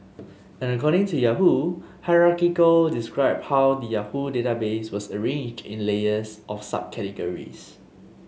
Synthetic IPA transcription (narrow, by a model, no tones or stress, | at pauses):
ɛ̃nəkɔɾɪ̃ŋtujaɦuhaɪɹakikəldiskɹaɪb̚hawdəjahudetabeswɔsəɹẽnd͡ʒdḭ̃nleəsʔɔfsa̰b̚kʰɛtəɡəɹḭs